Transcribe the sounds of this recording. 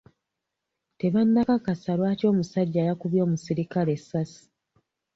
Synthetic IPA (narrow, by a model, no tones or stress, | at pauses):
te̞βanːakakasalwaːto̞ːmusaɟːaːjakuβjo̞ːmusiɾikale̞sːasi̥